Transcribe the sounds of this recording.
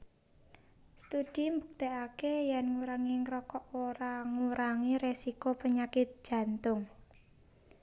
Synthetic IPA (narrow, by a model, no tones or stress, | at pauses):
st̪ud̥i̤mbuk̚t̪eakejɛnŋuɾaŋiŋɾɔkɔʔoɾaŋuɾaŋiɾesikopəɲakɪt̪̚d̥ʒ̥ä̤nt̪ʊŋ